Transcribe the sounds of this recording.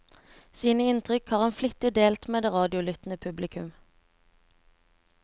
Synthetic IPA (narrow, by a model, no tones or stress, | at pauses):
siːnəɪnt̪ʰʁʏkhɑːʁɑːnflʏt̪əd̪eːlt̪meːd̪eːʁɑːd̪ɪʊlʏt̪n̩əpʰʉblɪkʰʉm